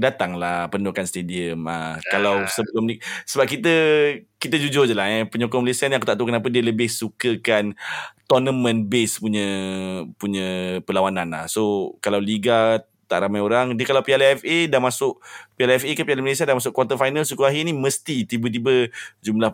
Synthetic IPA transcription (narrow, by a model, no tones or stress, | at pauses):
dat̪aŋlahpəndokanst̪ediəma̰kalawsəbəlʊmisəbap̚kit̪əkit̪əd͡ʒud͡ʒʊd͡ʒəlaɦɛpəɲɔkɔməlesianiakut̪aʔt̪əukənap̬ədiələbɪhsukəkant̪ɔnəmə̃nbespuɲə̃ | puɲə̃pəlawananla̰hsokalawliɡa | t̪a̰ʔɾamajoɾaŋdiəkalawpialɛfedamasʊʔpialɛfekapialaməles̬iadamas̬ʊʔkwat̪əfajnalsukuaɦiniməst̪it̪ibət̪̬ibəd͡ʒumlah